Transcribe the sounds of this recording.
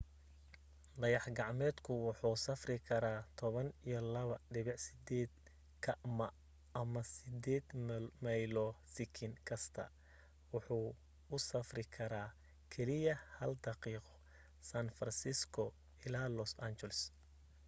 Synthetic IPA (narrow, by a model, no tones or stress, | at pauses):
d̪ɐjɑħɡɑʕmɛːd̪kʰʊwʊħuːsɐfrɪkʰɐɾaːt̪ʰɔβɐnijɔlɐβɐɖɪβɪʕsɪd̪ɛːd̪ | kʰɐmɐ | ɐmɐsɪd̪ɛːd̪mɐjlɔsɪkʰɪŋkʰɐst̪ʰɐ̰ | wʊħuː | ʊsɐfrɪkʰɐɾaː | kʰɛlɪjɐhɐld̪ɑqiːqɔ̥ | sanfɐnsɪskʰɔ | ɪlaːlɔsant͡ʃɛlɛs